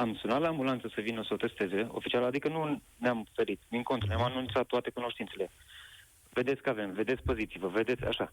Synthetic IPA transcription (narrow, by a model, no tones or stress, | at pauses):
amsunat̪laːmbulant̪səsəvinəosəot̪e̞st̪e̞ze̞o̞̰fit͡ʃialad̪ikənu | neamfe̞ɾit̪d̪iŋko̞nt̪ɾuneamanunt̪sat̪ːoat̪e̞kuno̞ʃt̪int̪se̞le̞ | ve̞d̪etsʲkəave̞mve̞d̪e̞t̪sʲpo̞zit̪sivəve̞d̪e̞t̪sʲa̰ʃa